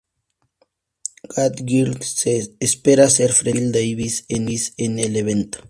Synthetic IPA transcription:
ɡ̥at̪ɡilseespeɾaseɾfɾeld̪eiβiseniseneleβent̪o̥

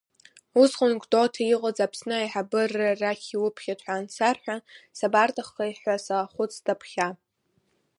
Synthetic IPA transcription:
usχʼʊnkʷʰʼdʼotʰajiqʼəd͡zapʰsnɨajħabɨrːaraχʲiwʊpʰχʲatʰħʷaːnsʰarħʷᶣasabartʰʼaχːajħʷasaχʷʊt͡sʰʼtʰʼapʰχʲa

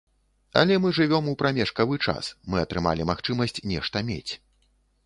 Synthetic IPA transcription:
ɐ̰lʲɛmɨʐɨvʲɔmupɾamʲɛʂkɐvɨt͡ʂa̰smɨɐt̪ɾɨma̰lʲimaxt͡ʂɨmɐsʲt͡sʲnʲɛʂt̪ɐmʲḛt͡sʲ

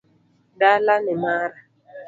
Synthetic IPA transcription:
dalanɪmaɾa

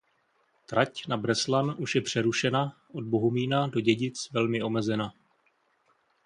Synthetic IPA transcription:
t̪ɾacnabɾɛslanʔuʃjɛpr̝̥ɛɾuʃɛnaʔo̞d̚bo̞ɦomiːnado̞ɟɛɟɪt͡svɛlmɪo̞mɛzɛna

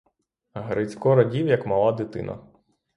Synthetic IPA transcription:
ɦɾɪt͡sʲkɔɾɐdʲiwjɐkmɐlˠad̪ɪt̪ɪ̰nɐ̰

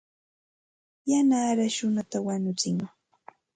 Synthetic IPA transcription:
janaːɾaʃʊnat̪awaɲʊt͡sɪŋ

